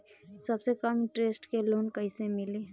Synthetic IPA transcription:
sɐbsekəmʈɾeːsʈkeloːnkəisemɪle

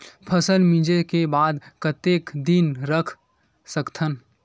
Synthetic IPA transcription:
pʰəsəlmĩd͡ʒekebaːd̪kət̪ekd̪inɾəkʰ | səkt̪ʰən

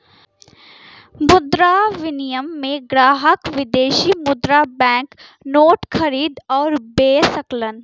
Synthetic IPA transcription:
mʊd̪ɾaʋɪnijəmːẽɡɾaːɦəkʋɪd̪eːʃimʊd̪ɾabɛ̃ːknoːʈkʰəɾiːd̪ɔːɾbeːsəklən

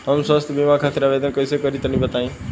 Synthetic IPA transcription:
ɦəmswəst̪ʰbimakʰat̪iɾaʋed̪ənkəisekəɾit̪ənibət̪aĩ

